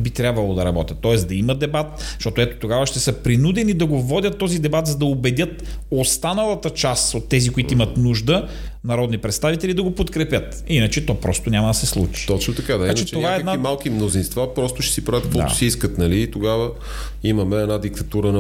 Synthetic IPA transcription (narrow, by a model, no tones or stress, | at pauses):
bit̪ɾʲjabvɐlˠod̪ɐɾɐbɔt̪ʲɐt̪ːɔɛsd̪ɐiməd̪ɛbat̪ʃt̪ɔt̪ʊɛt̪o̥t̪oɡavəʃt̪ɛsəpɾinud̪ɛnid̪ɐɡovɔdʲət̪ːɔzid̪ɛbat̪zɐd̪ɐobɛd̪ʲjət̪ost̪anɐlˠɐt̪ət͡ʃasot̪ːɛzikoit̪oimɐt̪nuʒd̪ə | nɐɾɔd̪nipɾɛt̪st̪avit̪ɛlid̪ɐɡopot̪kɾɛpʲjət̪ | inət͡ʃɛt̪ɔpɾʔɔst̪onʲamɐd̪ɐsɛslˠṵt͡ʃi̥t̪ɔt͡ʃnot̪ɐkad̪aiant͡ʃɛt͡ʃɛoaɛːdk̪d̪aimalˠk̟imnozinst̪vapɾɔst̪ʊʃɛ̥sipɾavət̪̚kvɔa̰ʊ̥siiskət̪nɐliːt̪oɡavə | imɐmɛɛnad̪ikt̪ɐt̪uɾən